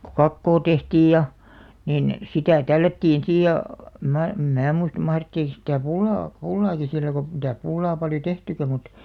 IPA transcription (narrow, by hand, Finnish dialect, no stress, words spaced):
ku kɑkːoː tehtiːj jɑ niˑn sitæˑ tælːætːiːn siːj jɑ əm mæː em mæː muist mɑhretːiːk sitæˑ pulːɑː pulːɑːki silːæ ɡ̊o mitæs pulːɑː pɑljo tehtykæ mut